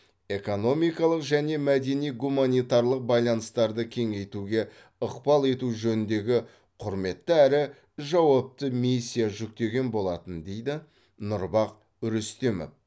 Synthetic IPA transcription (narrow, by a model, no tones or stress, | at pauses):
e̞ko̞no̞mijkɑlˠəqʒæne̞mæd̪e̞nijɡumanijt̪ɑɾlˠəq̚bɑjlˠɑnəst̪ɑɾd̪əkʲʰe̞ŋe̞jt̪uɡʲe̞ | əqpɑlˠe̞t̪uʒɵnɪnd̪e̞ɡʲɪ | qʰʊɾme̞t̪ːɪæɾɪ | ʒɑwɑp̚t̪əmijsʲːijaʒʏk̚t̪e̞ɡʲe̞nbo̞lˠɑt̪ənd̪e̞jd̪ɪ | nʊɾbɑq | ɾʏst̪emo̰f